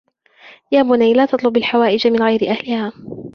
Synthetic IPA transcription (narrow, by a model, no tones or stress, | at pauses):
jaːbʊnajlaːt̪ɑt̪ˤlʊbalħawaːʔɪd͡ʒamɪnɣajɾɪʔahlɪhaː